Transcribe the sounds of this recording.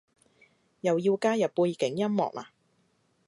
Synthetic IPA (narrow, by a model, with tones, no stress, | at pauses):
jɐ˨wjiː˧wkaː˥jɐ˨p̚puː˧jkɪ˨˥ŋjɐ˥mmɔ̰ː˨k̚la̰ː˧˩